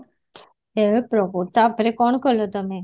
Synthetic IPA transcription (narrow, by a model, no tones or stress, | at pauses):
epɾɔkot̪abʱɾekɔɳkəlot̪əme